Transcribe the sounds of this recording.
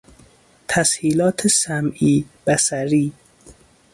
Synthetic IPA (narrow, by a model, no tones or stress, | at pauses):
t̪ʰæshiːlɒːt̪ʰesæmʔiːb̥æsæɾiː